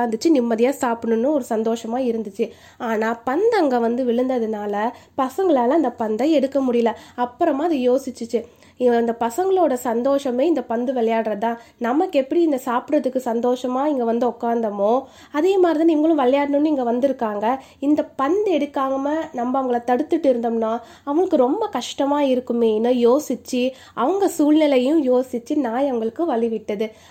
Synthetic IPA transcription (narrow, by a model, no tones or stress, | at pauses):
aːnd̪ɯt͡ʃːɯnɪmːɐðɪjãːsaːpɯɳɯnːɯɔɾɯsɐnd̪oːʂɐmaːɪɾɯnd̪ɯt͡ʃːɯ | aːnaːpɐnd̪ɐŋɡɐʋɐnd̪ɯʋɪɭɯnd̪ɐðɯnaːlɐpɐsɐŋɡɐɭaːlɐɐnd̪ɐpɐnd̪ɐɛɽɯkːɐmʊɽɪjɐlɐɐpːɯɾɐmaːɐðɯjoːsɪt͡ʃːɯt͡ʃːɯ | ɪnd̪ɐpɐsɐŋɡɐɭoːɽɐsɐnd̪oːʂɐmeːɪnd̪ɐpɐnd̪ɯʋɛɭɐjaːɽɯɾɐt̪ãːnɐmːɐkːɯɛpːɐɽiɪnd̪ɐsaːpʈɾɐðɯkːɯsɐnd̪oːʂɐmaːɪŋɡɐʋɐnd̪ɯɔkːaːnd̪ɐmõː | ɐðeːmaːd̪ɾɪðãnɪŋɡɐɭɯ̃ʋɛlɐjaːɽnɯnːɯɪŋɡɐʋɐnd̪ɪɾɯkːaːŋɡɐ | ɪnd̪ɐpɐnd̪ɛɽɯkːaːŋɡɐmɐnɐmbɐɐʋɐŋɡɐɭɐt̪ɐɽɯt̪ːɯʈːɯɪɾɯnd̪ɐmnːãː | ɐʋɐŋɡɐɭɯkːɯɾɔmbɐkɐʂʈɐmaːɪɾɯkːɯmeːnːɯjoːsɪt͡ʃːɯ | ɐʋɐŋɡɐsuːlnɪlɐjʊ̃joːsɪt͡ʃːɯnaːjɐʋɐŋɡɐɭɯkːɯ̃ʋɐɭɪʋɪʈːɐðɯ